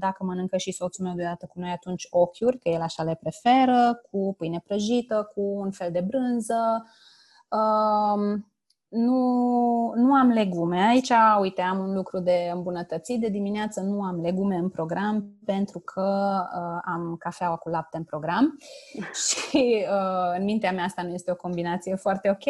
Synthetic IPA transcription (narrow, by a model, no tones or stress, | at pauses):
d̪akəmənɨŋkəʃiso̞t̪sulme̞wd̪eod̪at̪əkuno̞jat̪unt͡ʃʲo̞kʲurʲkəjelaʃale̞pɾe̞fe̞ɾəkʰupɨjnepɾəʒit̪əkuːnfe̞ld̪e̞bɾɨnzə | əm | nu | nuamle̞ɡume̞ait͡ʃaujt̪e̞amunlukɾud̪e̞ɨmbunət̪ət̪sit̪̚d̪e̞d̪imineat̪sənuamle̞ɡume̞ɨnpɾo̞ɡɾampe̞nt̪ɾukʰəəamkafeawakulap̚t̪eɨnpɾo̞ɡɾam | ʃiəɨnmint̪eamjaast̪anuje̞st̪e̞o̞ko̞mbinat̪sije̞foart̪e̞o̞kʲe